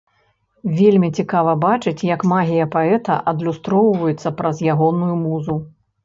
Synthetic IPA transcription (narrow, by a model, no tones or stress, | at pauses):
vʲelʲmʲit͡sʲikavɐbat͡ʂɨt͡sʲjɐkmaɣʲijɐpaɛt̪ɐ̰ʔɐd̪lʲust̪ɾɔwvɐjut̪sːɐpɾɐzjaɣɔnujumuzu